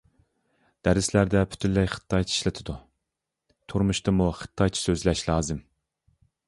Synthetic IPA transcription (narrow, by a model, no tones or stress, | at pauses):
d̪̥æɾɪslæɾd̪ɛpʰy̥t̪ʰynlɛjχə̥t̪ʰːɑjʰi̥ʃlɪt̪ʰɪd̪u | t̪ʰuɾmuʃt̪ɨmuχə̥t̪ʰːɑjt͡ʃʰi̥søzlɛʃlˠɑːzɨm